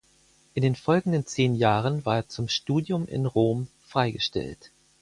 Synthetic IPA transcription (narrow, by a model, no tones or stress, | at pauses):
ʔɪndeːnfɔlɡŋ̩dənt͡seːnjaːʁənvaːeːɐt͡sʊmʃtuːdjʊmʔɪ̰nʁoːm | fʁ̥aɪɡəʃtɛ̰lt